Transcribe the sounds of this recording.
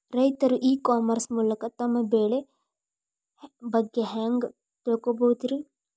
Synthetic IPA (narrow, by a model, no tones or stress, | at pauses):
ɾɐjt̪ɐɾuʔiːkaːmɐɾsmulɐkɐt̪ɐmɐbeːɭe | bɐɡːeɦɛːŋɡ | t̪oːkobot̪iɾi